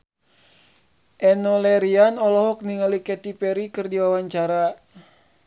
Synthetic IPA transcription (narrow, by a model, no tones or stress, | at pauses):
ʔɛnɔlɛɾianɔlɔɦɔk̚niŋalikɛt̪ipɛɾikɨrdiwawaɲt͡ʃaɾa